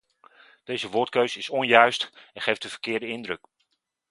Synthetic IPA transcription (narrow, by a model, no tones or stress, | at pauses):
d̥ejzəʋʊːɹtkøɥsɪsɔnjœɥstɛnχejfdəvəɹkɪːɹdəɪndrɵk